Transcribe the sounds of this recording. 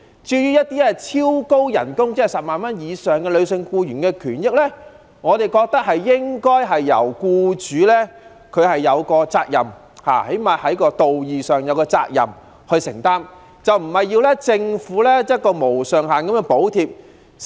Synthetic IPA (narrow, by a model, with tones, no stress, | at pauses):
t͡ʃyː˧jyː˥jɐ˥t̪iː˥ɛ˥t͡sʰiː˥wko˥wjɐ̰˨˩nkʊ˥ŋt͡sɛː˥ɐ˨˩sɐ˨p̚maː˨nmɐ˥njiː˨˧sœː˨˩ŋkɛː˧lɵ˨˧sɪ˧ŋkuː˧jyː˨˩nkɛː˧kʰyː˨˩njɪ˥k̚lɛː˥ | ŋɔː˨˧t̪e˨˩jkɔː˧k̚t̪ɐ˥k̚hɐ˨jːɪ˥ŋkɔː˥jɦɐ˨jːɐ̰˨˩wkuː˧t͡ʃyː˨˧lɛ˥ | kʰɵ˨˧ɥhɐ˨jːɐ˨˧wkɔː˧t͡saː˧k̚jɐ̰˨m | ha̰ː˨˩he˨˥jmaː˨hɐ˨˥jkɔː˧t̪o˨wjiː˨sœː˨˩ŋjɐ˨˧wkɔː˧t͡sa̰ː˧k̚jɐ̰˨m | hɵ˧ɥsɪ˨˩ŋt̪aː˥m | t͡sɐ˨wm̩˨˩hɐ˨jːiː˧wlɛ˥t͡sɪ˧ŋfuː˨˥lɛː˥ɐ˥kɔː˧mo˨˩wsœː˨ŋɦaː˨nkɐ˨˧˥mɛː˧po˨˥wt̪ʰiː˧p̚